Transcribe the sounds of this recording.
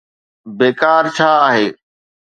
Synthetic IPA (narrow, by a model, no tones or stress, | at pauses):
beːkaːɾt͡ɕʰaːaːɦeː